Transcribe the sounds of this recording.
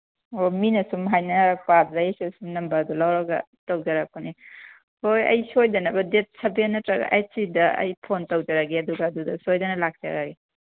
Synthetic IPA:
ominɐsumɦajnɐɾak̚pab̚dajsusumnɐmbɐdulawɾɐɡɐ̰ | tawd͡ʒaɾak̚puni | hojɐ̰jsojdɐnɐbɐdet̚sɐbenɐtɾɐɡa̰ʔaj̚sidɐɐ̰jpʰontɐwd͡ʒɐɾaɡeɐduɡaːdudɐsojdɐnɐlak̚d͡ʒa̰ɾaɡe

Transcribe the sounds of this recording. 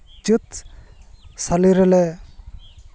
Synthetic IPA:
t͡ʃit̪ | saliɾɛlɛ

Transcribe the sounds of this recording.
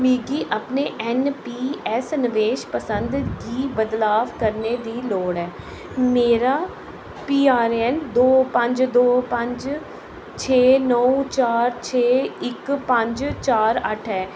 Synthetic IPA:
miːɡiːʔaːpneːʔɛnpiːɛsnəʋeːʃpəsənd̪ɡiːbəd̪laːʋkəɾneːd̪iːloːɽɛː | meːɾaː | piːaːɾɛnd̪oːpə̃ɲd͡ʒd̪oːpə̃ɲd͡ʒ | t͡ʃʰeːnəũt͡ʃaːɾt͡ʃʰeːɪkpə̃ɲd͡ʒt͡ʃaːɾəʈʰɛː

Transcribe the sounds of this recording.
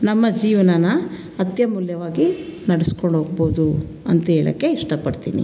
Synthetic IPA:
nɐmːɐd͡ʒiːʋɐnɐnɐː | t̪jɐmuljɐʋaːɡinɐɽeskoɳɖɦoːɡ̚boːud̪u | ɐnt̪ɐɦeːɭɐ̰kːe̞iʂʈɐpɐɽt̪ḭːnḭ

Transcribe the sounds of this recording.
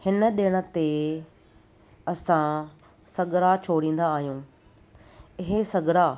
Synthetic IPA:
hɪnə̆ɗɪɽ̃ə̆t̪e | ɐsã | sɐɡɾat͡ɕʰoːɽĩːnd̪aːɦijũː | ɪɦesɐɡɾa

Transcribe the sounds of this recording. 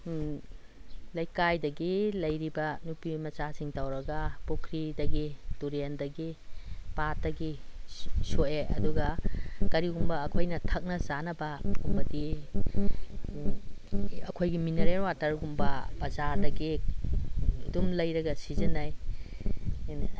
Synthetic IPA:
lɐjkajdɐɡilɐjɾibɐnupimɐt͡ʃasiŋtawɾɐɡɐpukʰɾidɐɡituɾendɐɡipat̚ːɐɡi | soeʔɐ̰duɡɐkɐɾiɡumbɐːkʰojnɐtʰɐk̚nɐzanɐbɐumɐdi | ɐkʰojɡimineɾeɾwatɐɾɡumbɐbɐzaɾdɐɡi | dumlɐjɾɐɡɐsizɐnaj

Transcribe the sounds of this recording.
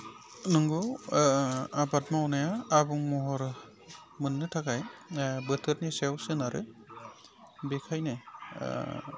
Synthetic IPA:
nɯŋɡɔw | abatmawnajaːbuŋmɔɦɔɾ | mɯnːɯtʰakajbɯtʰɯɾnisewsɯnaɾɯ̰ | bekʰajnɯ̰

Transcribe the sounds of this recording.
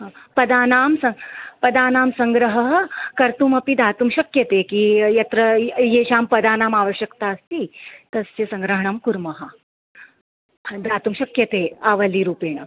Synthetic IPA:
ɦãːpɐd̪aːnaːmsɐpɐd̪aːnaːmsɐŋɡɾɐɦɐɦɐkɐɾt̪umɐpid̪aːt̪umʃɐkjɐt̪eːkijɐt̪ɾɐjeːʃaːmpɐd̪aːnaːmaːʋɐɕjɐkt̪aːɐst̪iːt̪ɐsjesɐ̃ŋɡɾɐɦɐɳɐmkuɾmɐɦɐ | d̪aːt̪umʃɐkjɐt̪eːaːʋɐliːɾuːpeːɳɐ

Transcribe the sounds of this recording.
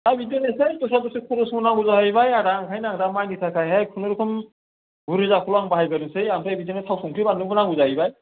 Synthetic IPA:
abidɔnesɯjtɔsatɔsikʰɔɾɔsbɯnaŋɡuzaɦajbajaɾaŋkʰajnaŋdamajnisʰakʰajɦajpʰunɯɾɯkʰɯm | buɾɯzakʰulaŋbaɦajɡaɾɯsɯjamtʰajbidɔnetʰawsɔŋkʰɯbanɯbɯnaŋɡuzaɦjbaj

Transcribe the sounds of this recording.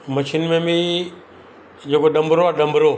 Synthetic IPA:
məʃʰɪnmẽmi | d͡ʒeːkoɗɐ̃mbʱɾoaːɗɐ̃mbʱɾoː

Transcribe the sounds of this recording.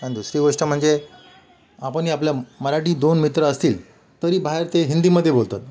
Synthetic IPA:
anid̪usɾiɡoʂʈəm̤əɳd͡ze | apəɳiapljaməɾaʈiːd̪onmit̪ɾəəst̪iːl | t̪əɾiːbʱaɦeɾt̪eɦind̪iːməd̪ʱːjebolt̪at̪̚

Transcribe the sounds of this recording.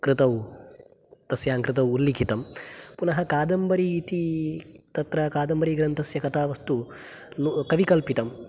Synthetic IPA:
kɾɨt̪ɐw | t̪ɐsjaːŋkɾɨt̪̬ɐwulːikʰit̪ɐmpunɐɦɐkaːd̪ɐmbɐɾiːt̪it̪ɐt̪ɾɐkaːd̪ɐmbɐɾiɡɾɐnt̪ʰɐsjɐkɐt̪aːʋɐst̪unukɐʋikɐlpit̪ɐm

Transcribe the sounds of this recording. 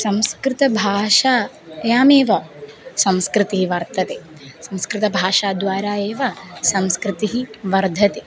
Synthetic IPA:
sɐmskɾɪt̪ɐbʱaːʂaː | jaːmeːʋɐsɐmskɾit̪iɦiʋɐɾt̪ɐt̪e | sɐmskɾɪt̪ɐbʱaːʂaːd̪ʋaːɾaːeːʋɐsɐmskɾɪt̪iɦiʋɐɾd̪ʱɐt̪e

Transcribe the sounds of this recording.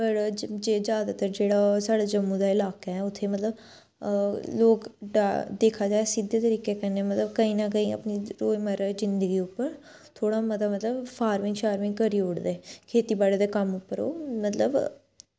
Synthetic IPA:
pəɾd͡ʒeːzjaːd̪aːt̪əɾd͡ʒeːɽaːsaːɽad͡ʒəmːũd̪aːɪlaːkeɛːʊt̪ʰːeːmət̪ləb | loːkɖad̪eːkʰaːd͡ʒaːesid̪eːt̪əɾiːkeːkɛneɛːmət̪ləbkəĩːnakəĩːə̰pniːɾoːjməɾzɪnd̪əɡiːʊpːəɾ | t̪ʰoːɽaːmət̪aːmət̪ləbfʰaːɾmɪ̃ŋɡʃaːɾmɪ̃ŋkəɾiːoːɽd̪eːkʰeːt̪iːbaːɽeːd̪eːkəmʊpːəɾo̰ːmət̪ləb

